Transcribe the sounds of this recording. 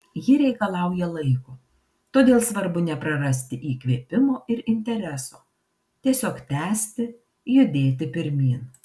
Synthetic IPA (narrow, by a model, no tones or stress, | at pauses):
jɪɾʲɛɪkɐlˠɐˑʊjɛlˠɐɪkoː | t̪oːd̪ʲeːlˠsʋɐɾbʊnʲɛpɾɐɾɐsʲt̪ʲɪʔiːkʋʲiːpʲɪmoːʔɪɾɪnʲt̪ʲɛɾʲɛsoː | t̪ʲiɛsʲoːkt̪ʲæːsʲt̪ʲɪ | jʊd̪ʲeːt̪ʲɪpʲɪɾʲmʲiːn